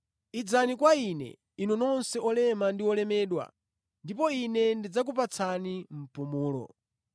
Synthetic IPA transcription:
id͡zanikwainɛ̰ | inunɔnsɛɔlɛmandiwɔlɛmɛːɗwa̰ | ndipɔinɛndid͡zak̬up̬at͡sʰanim̩pumuːlɔ̰

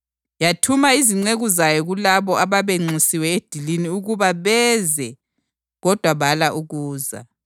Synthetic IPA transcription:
jatʰumaiziŋ͡ǀeɣuzajɔɣulaβɔʔaβaβeŋ͡ǀisiwɛed̥ʱiliniuɣuβaβɛzɛ | ɣɔd̥ʱwaβalaʔuɣuːza̰

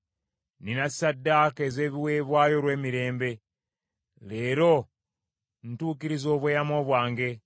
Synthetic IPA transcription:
ninasːadːakeze̞ːβiwe̞ːβwaːjo̞lwe̞ːmiɾe̞ːmbe̞ | le̞ːɾo̞ | n̩tuːkiɾizoːβweːjamo̞ːβwaːŋɡe̞

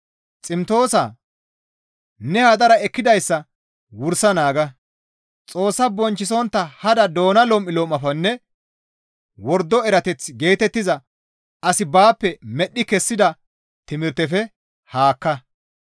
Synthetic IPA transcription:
t͡sʼɪmt̪o̞ːsa̰ | nɛhad̪ɐɾɐɛkːɪd̪ɐjsːɐ | wʊɾsɐnaːɡɐ | t͡sʼo̞ːsːɐbɔnt͡ʃːɪsɔnt̪ːɐhɐd̪ɐd̪o̞ːnɐlɔmːɪloːmːɐfɐnːɛ | wɔɾd̪ːɔɛɾɐt̪ɛt͡sːɡe̞ːt̪ɛt̪ːɪzɐ | ɐsɪbaːpːɛmɛɗːɪkɛsːɪd̪ɐ | t̪ɪmɪɾt̪ɛfɛ | haːkːɐ

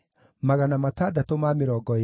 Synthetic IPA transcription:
maɣanamatadatomameɾɔɡɔ

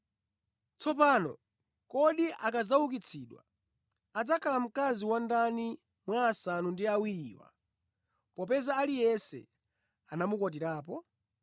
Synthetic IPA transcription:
t͡sɔpaːnɔ̰ | kɔɗiʔakad͡zawukit͡sʰiːɗwa̰ | ad͡zakʰalam̩kaziwandani | mwaːsanundiawiɾiːwa̰ | pɔpɛzaːlijɛsɛ̰ | anamukɔt̬iɾaːp̬ɔ

